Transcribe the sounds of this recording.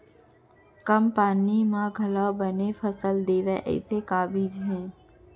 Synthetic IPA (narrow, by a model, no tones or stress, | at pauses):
kəmpaːnimãɡʱɐlabənefʰəsəld̪eːʋeʔɛ̰ːsekaːbiːd͡ʒɦɛ̃ː